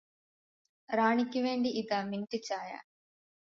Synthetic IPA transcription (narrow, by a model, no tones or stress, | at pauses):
ɾaːɳikʲːuʋe̞ːɳɖiiðaminʈːit͡ɕːaːja̰ː